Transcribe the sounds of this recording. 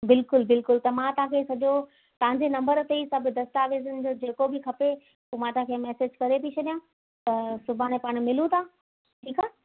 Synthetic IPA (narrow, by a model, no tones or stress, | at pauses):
bɪlkʊlbɪlkʊlt̪ɐmãt̪ɐɦãkʰeːsɐʄo | t̪ɐʋ̤ãɲd͡ʑenɐ̃mbəɾt̪eisɐbʱʊd̪ɐst̪aːʋeːzənɪ̆d͡ʑoːd͡ʑeːkobʱɪkʰɐpe | uːmãːt̪ɐãkʰemɛːseːd͡ʑkɐɾep̬it͡ɕʰɐɗijã | t̪ɐsʊbʱaːɽ̃epaːɽ̃mɪlũt̪ʰaː | ʈʰiːkaː